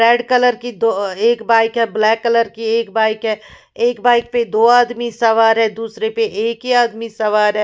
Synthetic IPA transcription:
ɾɛːɖkɐləɾkid̪oeːkbaːɪkɦɛ̃blɛːkːələɾkieːkbaːɪkɦɛ̃ː | eːkbaːɪk̚ped̪oːaːd̪misɐʋaːɾɦɛ̃d̪uːsɾepeʔeːkiaːd̪misɐʋaːɾɦɛ̃ː

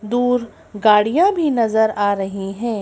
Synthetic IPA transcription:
d̪uːɾ | ɡaːɽijãbʱinɐzəɾaːɾɐɦiɦɛ̃ː

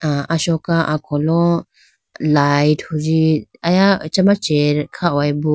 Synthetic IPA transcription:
aʔaʃɔkaʔakʰɔlɔ | lajthuɾiajat͡ʃamat͡ʃeɾkʰawajbu

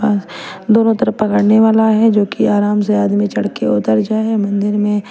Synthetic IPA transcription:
aːsd̪oːnõt̪ɐɾəfpɐkəɽneʋaːlaɦɛd͡ʒoːkiaːɾaːmseaːd̪mit͡ʃɐɽkeʊt̪əɾd͡ʒaːɦɛmɐ̃nd̪ɪɾmẽ

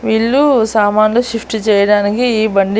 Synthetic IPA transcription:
ʋiːɭːusaːmaːnloːʃipʰʈit͡ʃɛːjɐɽaːnikiːbɐɳɖi

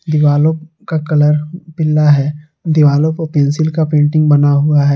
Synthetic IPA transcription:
d̪ɪʋaːlõ | kakɐləɾpɪlːaɦɛː | d̪ɪʋaːlõpɐɾpẽnsɪlkapẽːɳʈɪ̃ŋɡbɐnaɦuaɦɛː

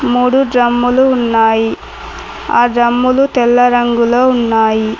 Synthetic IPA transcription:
muːɽuɖɾɐmːuluːnːaːji | a̰ːɖɾɐmːulut̪ɛlːɐɾɐŋɡuloːunːaːji

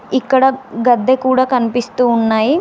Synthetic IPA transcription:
ikːɐɽɐɡɐd̪ːekuːɽaːkɐnipist̪uːnːaːji

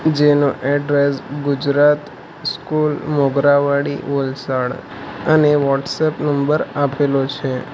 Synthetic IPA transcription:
d͡ʒenoʔɛɖɾesɡʊd͡ʒɾat̪ | skulmoɡɾaʋaɽḭʋəlsaɽ | əneʋɔʈsɛpnəmbəɾapelot͡ʃʰe

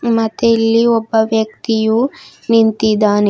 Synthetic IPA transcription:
mɐt̪elːiɔbːɐʋjɐkt̪iju | nint̪id̪aːne

